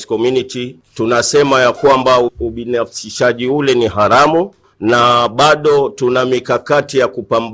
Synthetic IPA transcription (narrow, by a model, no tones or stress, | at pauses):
skɔmjuniti | tunasɛmajakwambauɓinafsiʃaʄiulɛniɦaɾamu | naɓaɗɔtunamikakatijakupamb